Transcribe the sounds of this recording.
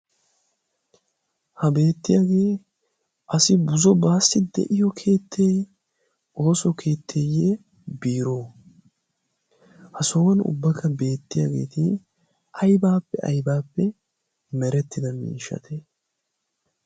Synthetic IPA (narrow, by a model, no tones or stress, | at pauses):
hɐbe̞ːt̪ːɪjaːɡe̞ː | ʔɐsɪbʊzɔbaːsːɪd̪ɛ̰ʔɪjɔkʰe̞ːt̪ʰːeːj | o̞ːsɔkʰe̞ːt̪ʰːeːje | biːɾoː | hɐsoːɐnʊ̰bːɐkɐbe̞ːt̪ːɪja̰ːɡe̞̰ːt̪ɪ | ʔɐjbaːpːɛʔɐ̰jbaːpːɛ | mɛɾɛt̪ːɪd̪ɐmḭːʃɐ̰t̪ʰe